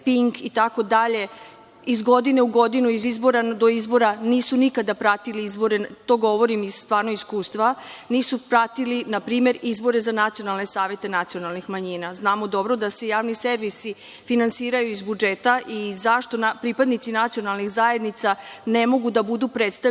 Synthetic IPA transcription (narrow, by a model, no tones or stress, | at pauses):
piŋkit̪ako̞d̪aʎe̞ | izɡo̞d̪ine̞uɡo̞d̪inuizizbo̞ɾad̪o̞izbo̞ɾaniːsunikad̪apɾat̪iliizbo̞ɾe̞t̪o̞ɡo̞ʋo̞ɾimizst̪ʋaːɾno̞iskuːst̪ʋaniːsupɾat̪ilinapɾiːme̞ɾizbo̞ɾe̞zanat̪sio̞nalˠne̞saːʋe̞t̪e̞nat̪sio̞nalˠnixmaɲinaznaːmo̞d̪o̞bɾo̞d̪ase̞jaːʋniseɾʋisi | finansiːɾajuizbud͡ʒe̞t̪aʔizaʃt̪o̞napɾipad̪nit̪sinat̪sio̞nalˠnixzae̞d̪nit̪sanemo̞ɡud̪abud̪upɾet̪st̪a